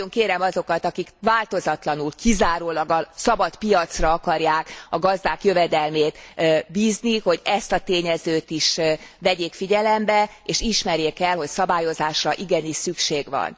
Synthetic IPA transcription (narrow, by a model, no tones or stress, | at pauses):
oŋkeːɾɛmɒzo̞kɒt̪ɒkikʋaːlt̪o̞zɒt̪lɒnulkizaːɾoːlɒɡɒsɒbɒt̪pijɒt̪srɒɒkɒrjaːkɒɡɒzd̪aːkjøvɛd̪ɛlmeːt̪biːzniho̞ɟɛst̪ɒt̪eːɲɛzøːt̪iʃvɛɟeːkfiɟɛlɛmbɛ | eːʃiʃmɛɾjeːkɛlho̞csɒbaːjo̞zaːʃrɒʔiɡɛniʃsykʃeːɡʋɒ̰n